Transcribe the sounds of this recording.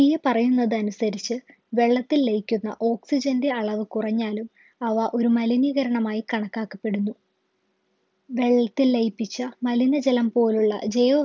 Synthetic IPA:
ijɐpɐrɐjunːɐðɨɐnusɐɾit͡ɕːɨ | ʋe̞ɭːɐt̪ːilːejkʲːunːɐ̰ʔo̞ːksid͡ʑɐndɨɐɭɐʋɨkurɐɲːaːlum | ɐʋɐʔo̞ɾumɐliniːɣɐɾɐɳɐmaːjikɐɳɐkːaːkːɐpːe̞ɽunːu | ʋe̞ɭːɐt̪ːilːejpːit͡ɕːɐmɐlinɐd͡ʑɐlɐmpo̞ːluɭːɐ̰d͡ʑejoː

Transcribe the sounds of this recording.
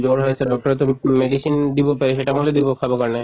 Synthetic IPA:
d͡ʑoɾɦojt͡ɕʰeɖɔk̚ʈoɾet̪omeɖiʃind̪ibopeɾeʃeʈamoled̪ibokʰabokaɾne

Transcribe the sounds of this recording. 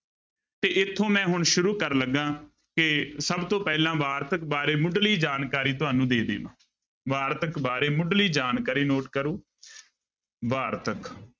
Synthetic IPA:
t̪eːʔɪt̪ʰːõːmɛ̃ːɦʊɳʃʊɾuːkəɾləɡːãː | kɪsəbt̪õːpɛːlãːʋaːɾt̪ək̚baːɾeːmʊɖliːd͡ʒaːnkaːɾiːt̪ʊɦaːnũːd̪eːd̪ḛːʋã̰ː | ʋaːɾt̪əkbaːɾeːmʊɖliːd͡ʒaːnkaːɾiːnoːʈkəɾũː | ʋaːɾt̪ək

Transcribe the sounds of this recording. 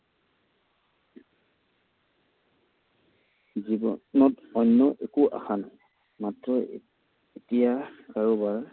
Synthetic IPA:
zibɔnɔtɔjnːɔʔekuʔa̰xanaj | matɹɔ | etijakaɹubaɹ

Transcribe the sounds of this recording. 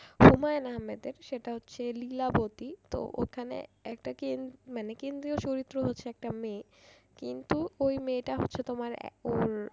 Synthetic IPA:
humaenaɦamed̪eɾʃeʈaɦotːɕʰelilabot̪it̪o̰ʔo̰kʰanḛɛk̚ʈakenmanekend̪ɾiot͡ɕoɾit̪ːɾoɦotːɕʰeɛk̚ʈame | kint̪uojmeʈaɦotːɕʰet̪omaɾ̰oɾ

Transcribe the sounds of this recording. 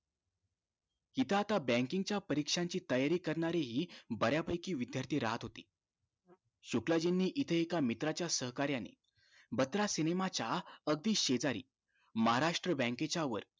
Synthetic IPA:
it̪ʰəːt̪abɛ̃ŋkiŋɡt͡ɕjapəɾikʂaɲt͡ɕiːt̪əjaɾiːkəɾɳaɾeɦiːbəɾjapəjkiːʋid̪jaɾt̪ʰiːɾaɦat̪ɦot̪iː | ɕoklad͡ʑinːiːʔit̪ʰəekamit̪ɾat͡ɕjasəɦkaɾjanḛ | bət̪ɾasinemat͡ɕaəɡ̚d̪iːɕed͡zaɾḭː | məɦaɾaʂʈɾəbɛ̃ŋket͡ɕaʋə̰ɾ

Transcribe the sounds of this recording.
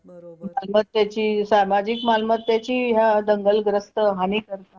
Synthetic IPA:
bəomalmət̪ːjat͡ɕiːsamad͡ʑikmalmət̪ːjat͡ɕiːɦjad̪əŋɡəlɡɾəst̪əɦaniːkəɾt̪a

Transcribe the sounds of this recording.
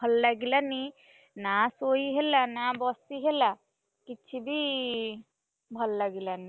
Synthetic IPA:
ɔlːaɡilani | nasoiɦelanaːbɔstiɦela | kitːt͡ʃʰibʱi | bʱɔlːaɡilani

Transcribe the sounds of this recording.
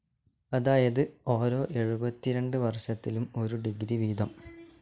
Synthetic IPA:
ɐðaːjɐðɨo̞ːɾo̞ːʔe̞ɻubɐt̪ːiɾeɳɖɨʋɐrʂɐt̪ːilumo̞ɾuɖiɡɾiʋiːd̪ɐm

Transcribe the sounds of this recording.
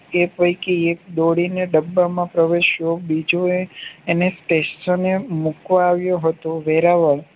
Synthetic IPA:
epəjkeːk̚d̪oɽineɖəbːamãpɾəʋeʃjobid͡ʒoeːnesʈessonemukʋaːʋjoɦət̪oʋeɾaʋəɭ

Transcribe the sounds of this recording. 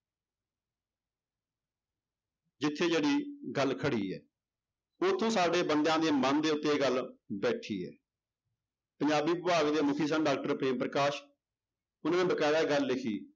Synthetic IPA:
d͡ʒɪt̪ʰːeːd͡ʒeːɽiːɡəlkʰəɽiːɛ̰ː | ʊt̪ʰːõːsaːɖeːbənd̪jãːd̪eːmənd̪eːʊt̪ːeːɡəlbɛːʈʰḭːɛ̰ː | pəɲd͡ʒaːbiːbɪbaːɡd̪eːmʊkʰiːs̬ənɖaːk̚ʈəɾpɾeːmpɾəkaːʃ | ʊnaːẽːbəkɛːɽaːɡəlːɪkʰiː

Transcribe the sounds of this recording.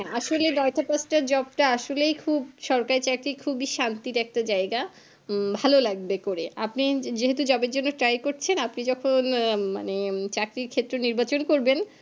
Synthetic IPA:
ɦɛʔaʃolenɔetapasʈaɾd͡ʑɔbʈaaʃolejkʰubʃɔɾkaɾit͡ɕakɾikʰubiʃant̪iɾɛk̚ʈad͡ʑaeɡa | bʱalolaɡ̚bekoɾeapnid͡ʑeɦet̪ud͡ʑɔbeɾd͡ʑonːoʈɾajkoɾt͡ɕʰenapnid͡ʑɔkʰonma̰net͡ɕakɾiɾkʰet̪ːɾoniɾbat͡ɕonkoɾben

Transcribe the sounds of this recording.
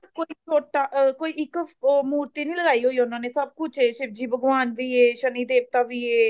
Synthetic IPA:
ɾkoːiːt͡ʃoːʈaːkoːiːʔɪkːmuːɾt̪iːnĩːləɡaːiːɦoːiːʊnãːneːsəb̚kʊt͡ʃʰɦeːʃɪb̚d͡ʒiːbəɡʋaːnʋiːeːʃəniːd̪eːʋt̪aːʋiːeː

